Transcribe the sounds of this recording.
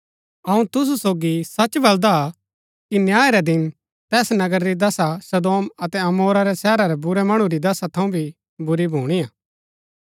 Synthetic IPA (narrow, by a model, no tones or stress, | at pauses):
ɐũt̪ʊs̬usoːɡisɐt͡ʃbɐld̪a | kinjaːeɾɛd̪ɪn | t̪ɛːsnɐɡəɾɾid̪ɐsasɐd̪oːmɐt̪ɛɐmoːɾaɾɛsɛːɾaɾɛbʊɾɛmɐɽ̃uɾid̪ɐsat̪ʰɐũbʱi | bʊɾibʱuːɽ̃ijaː